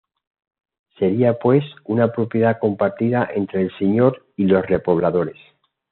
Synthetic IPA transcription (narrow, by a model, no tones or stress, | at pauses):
se̞ɾiapwe̞sunapɾo̞pje̞ðako̞mpaɾt̪iðaʔe̞nt̪ɾe̞ːlseɲo̞ɾ | ilo̞sre̞po̞β̞laðo̞ɾes